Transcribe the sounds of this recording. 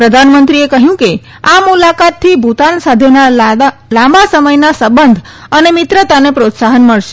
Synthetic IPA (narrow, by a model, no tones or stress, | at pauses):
pɾəd̪ʱanmənt̪ɾiekəɦjũke | amulakat̪ʰːibʱut̪ansad̪ʱenalãmbasəməjnasəbənd̪ʱ | ənemɪt̪ɾət̪anepɾot̪saɦənməɭʃe̥